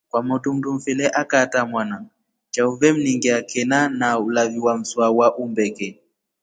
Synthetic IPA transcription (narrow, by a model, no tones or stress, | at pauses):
kwamɔtum̩dum̩filɛʔakatamwana | t͡ʃauvɛm̩niŋɡɛakɛnanaulaviwam̩swawaʔumbɛkɛ